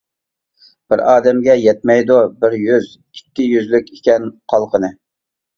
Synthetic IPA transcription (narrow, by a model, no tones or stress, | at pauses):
b̥ɪɾɑːd̪ɛmɡʲɛjɛt̪̚mɛjd̪ubɪɾjyz | kʲʰi̥t̪ʲːɪjyzlykʲekʲɛnqʰɑlˠqʰənɨ